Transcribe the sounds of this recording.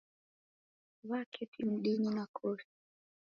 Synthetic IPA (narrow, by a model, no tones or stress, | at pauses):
βakʰɛtʰim̩ɗiɲinakʰɔɾi